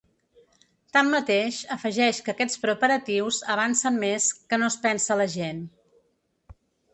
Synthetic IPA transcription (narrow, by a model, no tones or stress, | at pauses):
t̪amːət̪eʃəfəʒɛʃkəkɛt͡spɾəpəɾət̪iwzəβ̞ansəmmeskənospɛnsələʒen